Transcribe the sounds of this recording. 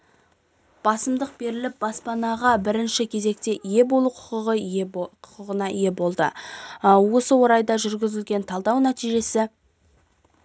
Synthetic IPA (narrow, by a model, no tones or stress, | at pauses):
b̥ɑsəmd̪əq̚be̞ɾɪlɪp̚bɑspɑnɑʁɑbɪɾɪnʃɪkʲʰe̞ze̞k̚t̪e̞ʔje̞bo̞lˠuqʰʊ̥qəʁəqʰʊ̥qəʁənɑje̞bo̞lˠd̪ə̰ | wo̞səwo̞ɾɑjd̪ɑʒʏɾɡʲɪzɪlɡʲe̞nt̪ʰɑlˠd̪ɑwnæt̪ijʒe̞sɪ